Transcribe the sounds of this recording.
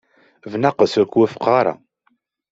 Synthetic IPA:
vnaqəsækʷːwæfə̥qːɑɾˤɑ̰

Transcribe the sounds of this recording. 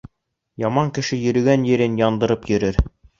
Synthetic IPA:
jɑmɑŋkɘ̆ʃɘjɵ̆ɾɘ̆ɡænjɘ̆ɾɘnjɑnd̪ɤ̆ɾɤpjɵ̆ɾɘɾ

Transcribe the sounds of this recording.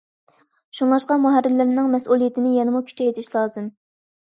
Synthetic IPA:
ʃuŋlˠɑʃqɑmuɦæɾːɪlːɪɾnɪŋmɛsulˠijet̪ʰɪnɪjɛnɪmukʲʰy̥t͡ʃʰɛjet̪ʰɪʃlˠɑːzɨm

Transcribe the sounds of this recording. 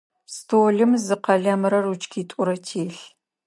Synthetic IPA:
stʰoːɮɨmzɨqɐɮɐmɨɾɐrut͡ʃkʰiːtʷʼʊɾɐtʰeːɬ

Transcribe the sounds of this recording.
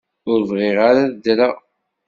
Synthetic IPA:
ʊɾvʁeʁaɾaðd̪ɾa

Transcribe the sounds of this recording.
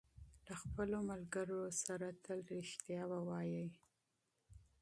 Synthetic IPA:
laxpəlomalɡəɾosaɾat̪ʰəlɾɪʃt̪jɑwawɑjəj

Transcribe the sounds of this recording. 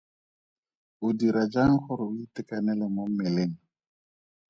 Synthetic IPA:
ʊdiɾad͡ʒaŋ̩χʊɾɪʊitɪkanɛlɛmomɛleŋ̩

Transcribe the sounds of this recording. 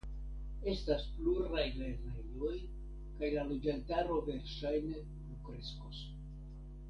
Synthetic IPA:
e̞staspluɾajle̞ɾnejoj | kajlaled͡ʒantaɾo̞ve̞ɾʃajne̞ | nukɾe̞skos

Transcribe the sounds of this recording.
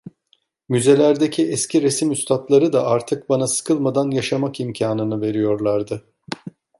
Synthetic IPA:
myze̞lʲæɾd̪ecʰiɛscʰiɾesimyst̪ʰat̪lˠaɾɯd̪aʔaɾt̪ʰɯk̚banasɯ̥kʰɯlˠmad̪anjaʃamakimcʰaːnɯnɯve̞ɾijo̞ɾlˠaɾd̪ɯ

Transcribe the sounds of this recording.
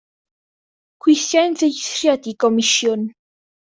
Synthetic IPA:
kʰwɪθjajndejθrjadikɔmɪʃjɔn

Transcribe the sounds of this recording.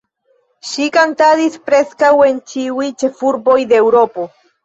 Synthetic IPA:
ʃikant̪adispɾe̞skawe̞nt͡ʃiujt͡ʃe̞fuɾbo̞jd̪eːwɾo̞po̞

